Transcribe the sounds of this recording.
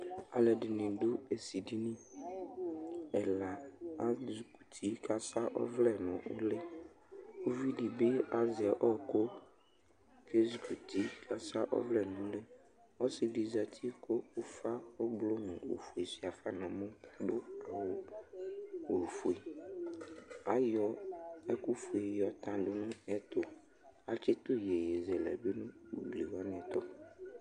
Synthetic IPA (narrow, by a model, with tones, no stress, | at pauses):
a̰˨lɛ˨dɪ˨nɪ̃˨ɖʊ˦e˨si˨di˦nĩ˦ | ɛ˨la˨a˦zu˨ku̥˨t̪ʰi˨˦kʰa˦sa˦ʔɔ̰˦vlɛ˨nʊ̰̃˨ʔʊ˦le˦ | o˦vi˦di˨be˦a˦zɪ˨ɛ˨ʔɔ˦ko˦ | ke˦zu˨ku˨t̪ʰi˦kʰa˦sa˦ʔɔ̰˦vlɛ˨nʊ̃˨˦le˦ | ɔ˦sɪ˨di˨za˨t̪ʰi˦kʰo˦ʊ˦fa˦o˦blo˦mũ˨o̰˨fu˨i˨si˨a˨fa˦nã˨mʊ̃˦ɖʊ˦a˨wo˨ | o˨fu˨i˨ | a˨jɔ˨ɛ˦ku˦fu˨i˨jɔ˨t̪ã˨ɖʊ˨nʊ̃˦ɛ˦t̪ʊ˨ | a˨t͡ʃɪ˦t̪ʊ˦je˨je˨zɛ˨lɛ̰˨be˦nʊ̃˦ṵ˨bli˨wɔ˦n˨ɛ̃˨t̪ɔ˦